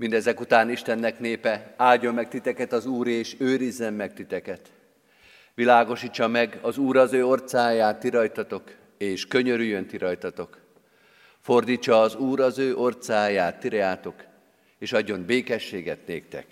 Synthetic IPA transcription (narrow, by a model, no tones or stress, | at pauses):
mind̪ɛzɛkut̪aːniʃt̪ɛnːɛkneːpɛaːlɟːo̞mːɛk̚t̪it̪ɛkɛt̪ɒzuːɾeːʃøːɾizːɛmːɛk̚t̪it̪ɛkɛt̪ | ʋilaːɡo̞ʃiːt͡ʃːɒmɛɡɒzuːɾɒzøːo̞rt̪saːjaːt̪ːiɾɒjt̪ɒt̪o̞k | eːʃkø̞ɲøɾyjːønt̪iɾɒjt̪ɒt̪o̞k | fo̞rd̪iːt͡ʃːɒːzuːɾɒzøːʔo̞rt̪saːjaːt̪ːiɾɛaːt̪o̞k | eːʃɒɟːo̞nbeːkɛʃːeːɡɛt̪neːkt̪ɛ̰k